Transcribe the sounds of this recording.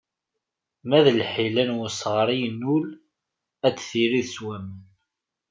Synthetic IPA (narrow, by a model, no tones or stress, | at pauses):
mæðlħilænwʊsʁɾˤijnːul | æt͡sːθiɾiðswæmən